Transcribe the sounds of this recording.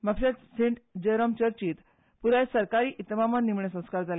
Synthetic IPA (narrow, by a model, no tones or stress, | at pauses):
mapɕat̪sẽɳʈd͡ʑəɾɔmt͡ɕəɾt͡ɕiːt̪ | puɾajsəɾkaɾiːʔit̪mamannːimɳesə̃w̃skaɾd͡zʱale